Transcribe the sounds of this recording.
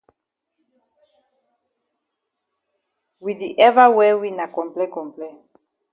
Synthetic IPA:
wi˨di˨ʔɛ˦va˦wɛ˦wi˦na˨kɔ̃˨mplɛ˦kɔ̃˨mplɛ˦

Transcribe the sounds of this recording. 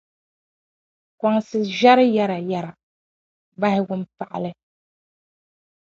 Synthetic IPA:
ka˨ŋsɨ˨ʒa˦ɾɨ˦ja˦ɾa˨ja˨ɾa˨ | ba˦hɪ˦ɡʊ˦m˦pa˨ʔa̰˨lɨ˦

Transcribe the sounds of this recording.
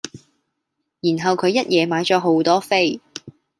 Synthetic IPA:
jiː˨˩nɦɐ˨wkʰɵ˨˧ɥjɐ˥t̚jɛː˨˧maː˨˥jt͡ʃɔː˨˥ɦo˨˥wt̪ɔː˥fe˥˩j

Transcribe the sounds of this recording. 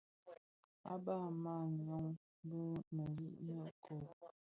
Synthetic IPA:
a̰˦ba˦˨ma˦˨ɲɔ˦ŋ˦ | bə˦mə˨ŋɡi˦ʔnə˦˨ʔkʰo˨

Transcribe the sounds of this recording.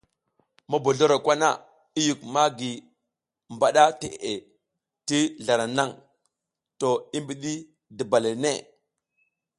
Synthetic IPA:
ma˦bo˨ɮo˦ɾa˨kʷa˦na̰˦ | i˦ju˨kma˦ɡi˨ | mba˨ɗa˦te˨ʔʔe˨ | ti˦ɮa˨ɾa˨na˦ŋ | to˨i˦mbi˨ɗi˦ | di˨ba˨le˨nḛ˦˨

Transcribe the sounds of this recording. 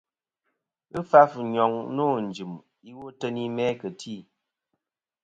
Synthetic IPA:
ɨ˦fa˦fɨ˨ɲɔ˨ŋnoː˦˨n̩˨d͡ʒɨ˨m | i˦wo˦tə˦ni˦mɛ˦kə˨tʰi˦˨

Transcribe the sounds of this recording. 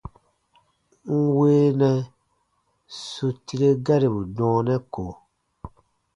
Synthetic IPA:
ŋ̩˦weː˦nɛ̃˨ | su˨ti˧ɾe˦ɡa˦ɾi˨bu˨dɔ̃ː˨˦nɛ̃˦ko˨

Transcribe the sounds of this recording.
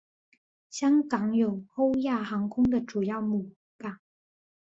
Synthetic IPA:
ɕjɑ˥ŋkɑ˧˥˦ŋjo˨˩ʊxo˥ʊja˥˩xɑ˧˥ŋkʰʊ˥ŋd̪ə˨ʈ͡ʂu˨˩jɑ˥˩ʊmu˨˩ | pa˥˧

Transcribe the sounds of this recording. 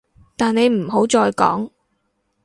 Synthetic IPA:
t̪aː˨ne˨˧jm̩˨˩ɦo˨˥wt͡ʃɔː˧jkɔ̰ː˨˥ŋ

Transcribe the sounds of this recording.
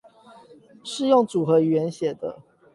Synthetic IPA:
ʂɻ̩˥˧jo˥˨˩ŋt͡su˨˩xɤ˨˦ɥɛ˨˦nɕjɛ˨˩d̪ə̰˦

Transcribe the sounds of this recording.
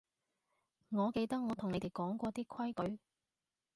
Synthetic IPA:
ŋɔː˨˧ke˧jt̪ɐ˥k̚ŋɔː˨˧t̪ʰʊ˨˩ŋne˨˧t̪e˨˩jkɔː˨˥ŋkʷɔː˧t̪iː˥kʰɐ˥jkɵ˨˥ɥ

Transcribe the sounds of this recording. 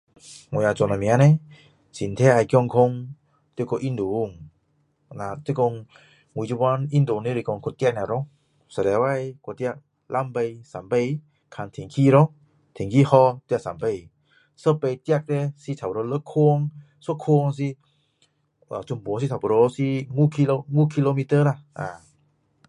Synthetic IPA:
ŋo˧ja˧t͡ɕɔ˧˨na˨mi˧a˧˦nɛ˧ | si˨nt̪ʰɛ˧˥ʔa˧jkjɔ˧ŋkʰo˧ŋ | t̪e˧kɔ˧˨ʔi˧˨nd̪u˨˧˨ŋ | na˧t̪e˦ko˧ŋ | ŋu˧˨˧t͡ɕu˧ba˧˦ni˧˨nd̪o˧˨ŋni˧˦ɾi˧kɔ˧ŋkʰo˧nt̪ja˧k̚na˧˨ɾɔ˧˦ŋ | sə˧˨ɾɛ˨˧˦wa˧jkɔ˧t̪a˧k̚ | lʔa˧˥˨mpe˧jsa˨mpe˧j | kʰa˧nt̪ʰe˨˦ŋkʰiː˧˨ɾɔ˧ŋ | t̪ʰe˨˦ŋkiː˧hɔ˧t̪i˧sa˨mpə˧˩j | sə˧˩pə˧jt̪i˧a˧k̚t̪ɛ˧si˧t̪ʰa˨˩pɾo˧lə˧˦kʰo˧ŋ | so˧˦kʰo˧ŋs̬i˧ | ʔa˨t͡ɕu˨˧˦mbuː˨˦s̬i˧t̪ʰa˨˩bo˨ɾo˧si˧ŋuː˧˨kʰi˧lo˧ŋuː˧˨kʰi˧lo˧mi˧t̪əː˧˨la˧ʔa̰ː˨˩

